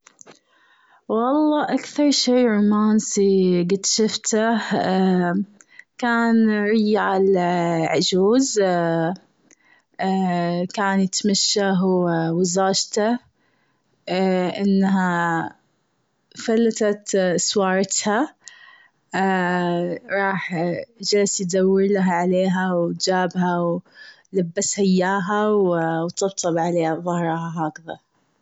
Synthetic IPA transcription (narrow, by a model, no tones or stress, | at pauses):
wɑlˤːɑːʔakθɑɾˤʃiːɾʊmaːnsiɡɪd̪ʃɪft̪ah | kaːnɾɪjʕalʕʊd͡ʒuːz | kaːnjɪt̪maʃːaɦwwɪzaːʃt̪a | ʔɪnːɦa | falːat̪at̪swɑːɾˤɑt̪ha | ɾˤɑːħd͡ʒalsjd̪awːɪɾlaɦaʕaleːɦawd͡ʒaːbɦaw | labːashaɪjːaːɦawwt̪ɨb̚t̪ˤɑbʕaleːhaðˤɑhɾˤɑhaɦaːkaða̰